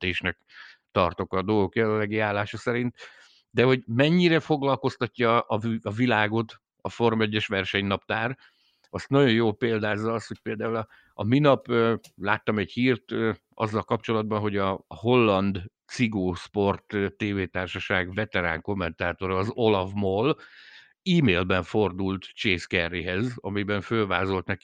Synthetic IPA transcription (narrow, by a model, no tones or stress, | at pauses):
t̪eːʃnɛk | t̪ɒrt̪o̞kɒd̪olɡo̞kjɛlɛlːɛɡiaːlːaːʃɒsɛɾint̪ | d̪ɛɦo̞ɟmɛɲːiɾɛfo̞ɡlɒlko̞st̪ɒcːɒɒɒvilaːɡo̞t̪ | ɒfo̞rmɛɟːɛʃʋɛrʃɛɲnɒpt̪aːr | ɒst̪nɒɟo̞joːlpeːld̪aːzːɒɒst̪ho̞c̚ʲpeːld̪aːulɒ | ɒminɒpølaːt̪ːɒmɛchiːrt̪ː | ɒ̰zːɒlkɒp̚t͡ʃo̞lɒd̪̚bɒnɦo̞ɟɒɦo̞lːɒnd̪t̪siɡoːʃpo̞rt̪t̪ːeːveːt̪aːrʃɒʃaːɡvɛt̪ɛɾa̰ːŋko̞mːɛnt̪aːt̪o̞ɾɒːzo̞lɒvmol | iːmeːlbɛɱfo̞rd̪ult̪t͡ʃeːskɛrːiɦɛzɒ̰mibɛɱfølvaːzo̞lt̪nɛki̥